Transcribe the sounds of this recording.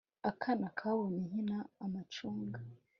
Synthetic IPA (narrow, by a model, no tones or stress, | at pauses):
akʰanakʰawomiɦinaːmat͡ʃuːŋɡa